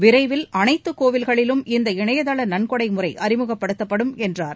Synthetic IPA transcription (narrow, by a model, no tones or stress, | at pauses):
ʋɪɾɐɪʋɪlɐnɐɪt̪ːɯkːoːʋɪlɣɐɭɪlɯmɪnd̪ɐɪɳɐjɐðɐɭɐnɐnkɔɽɐɪmɯrɐɪʔɐɾɪmɯɣɐpːɐɽɯt̪ːɐpːɐɽɯmɛndraːɾ